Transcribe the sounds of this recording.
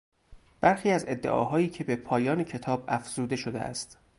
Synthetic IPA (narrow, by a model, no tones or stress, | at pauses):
b̥æɾxiːæze̞d̪ːe̞̰ʔɒ̰ːɦɒːjiːcʰe̞be̞pʰɒːjɒːnecʰe̞t̪ʰɒːbæfz̥uːd̪e̞ʃod̪e̞̰ʔæ̰st̪